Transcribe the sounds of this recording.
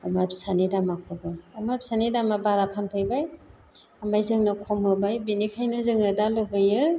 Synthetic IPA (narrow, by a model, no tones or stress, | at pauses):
amaɾpsanidamakʰobɯamaɾpsanidamabaɾapʰanpʰɯjbaj | amajzɯŋnɯkʰɔmɯbajbinikʰajnɯzɯŋɯdalɯbɯjɯ